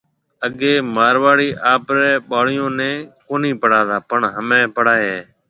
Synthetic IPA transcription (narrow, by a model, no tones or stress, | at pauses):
əɠeːmaːɾʋaːɽiːʔaːpɾɛːɓaːɽ̤ɪjõːnɛ̃ːkoːniːpəɽaːd̪aːpəɳɦəmɛ̃ːpəɽaːɦeː